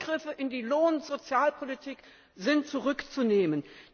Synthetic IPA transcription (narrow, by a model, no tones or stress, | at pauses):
ɡ̥ʁɪfəʔɪndiːloːnz̥ot͡sjaːlpʰolitʰiːk | zɪntt͡suʁʏkt͡suneːmən